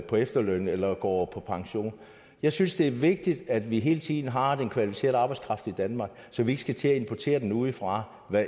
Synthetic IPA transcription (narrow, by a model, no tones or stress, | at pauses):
pʰɒ̽efd̥ɐlønelɐɡ̥ɒ̰ːpʰɒ̽pʰɑ̈ŋɕo̝̰ːn | jɑ̈ɪsynsd̥e̝æɐʋe̝ɡ̥̚d̥id̥æd̥ʋiɦe̝ːlət͡sʰiðˠn̩ɦɑ̈d̥enkʰʋælifise̝̰ɐ̰ðˠɑ̈ːb̥ɑɪskʰʁɑ̈fd̥id̥ænmɑ̈ːɡ̥sɒ̽ʋie̝ɡ̥əsɡ̥æt͡sʰe̝æe̝npʰɒt͡sʰe̝̰ːɐd̥enuːð̞̩ˠfʁɑ̈ | ʋæ